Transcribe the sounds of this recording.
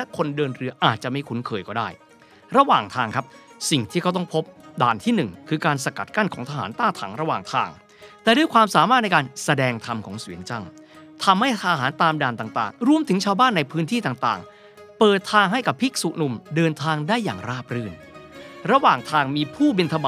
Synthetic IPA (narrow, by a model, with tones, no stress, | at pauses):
lɛ˦˥kʰo˧ndɤː˧nɾɯ˧ɐʔaː˨˩t̪̚t͡ɕa˨˩ʔma˥˩jkʰu˨˦˥nkʰɤː˧jkɔː˥˩daː˥˩j | ɾa˧waː˨˩ŋt̪ʰaː˧ŋkʰa˦˥p̚si˨˩ŋt̪ʰiː˥˩kʰa˦˥wt̪ɔ˥˩ŋpʰo˦˥p̚daː˧˩nt̪ʰiː˥˩nɯ˨˩ŋkʰɯː˧kaː˧nsa˧ka̰˨˩t̪̚ka˥˩nkʰɔː˩˦ŋt̪ʰa˧a̰ː˩˦nt̪aː˥˩t̪ʰa̰˩˦ŋɾa˧wa̰ː˨˩ŋt̪ʰaː˧ŋ | t̪ɛː˨˩du˥˩jkʰwaː˧msaː˨˩˦maː˥˩t̪̚na˧jkaː˧nsa˧dɛː˧ŋt̪ʰa˧mkʰɔ̰ː˩˦ŋswi˨˦ənt͡ɕa˥˩ŋ | t̪ʰa˧mha˥˩jt̪ʰa˧ɦaː˩˦nt̪aː˧mdaː˨˩nt̪aː˨˩ŋt̪a̰ː˨˩ŋɾu˧əmt̪ʰɯ˩˦ŋt͡ɕʰaː˧wbaː˥˩nːa˧jpʰɯː˦˥nt̪ʰiː˥˩t̪aː˨˩ŋt̪aː˨˩ŋ | pɤː˨˩t̪ʰːaː˧ŋɦa˥˩jka˨˩pʰːi˦˥k̚su˨˩nu˧mdɤː˧nt̪ʰaː˧ŋdaː˥˩jːaː˨˩ŋɾaː˥˩p̚ɾɯː˥˩n | ɾa˧waː˨˩ŋt̪ʰaː˧ŋmiː˧pʰuː˥˩bi˧nt̪ʰa˧ba˨